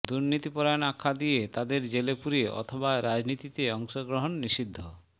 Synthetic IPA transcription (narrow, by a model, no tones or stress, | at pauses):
d̪uɾnit̪ipɔɾanakʰːad̪ijet̪ad̪eɾd͡ʑelepuɾieʔɔ̰t̪ʰobaɾad͡ʑnit̪it̪eɔŋʃoɡɾoɦonːiʃid̪ʱːo